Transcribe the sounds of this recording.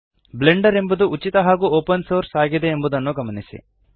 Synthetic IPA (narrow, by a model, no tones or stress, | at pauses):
bleɳɖɐɾe̞mbud̪uʔut͡ʃːit̪ɐɦaːɡuoːpɐnsoːɾsaːɡid̪e̞ːmbud̪ɐnːuɡɐmɐnisḭ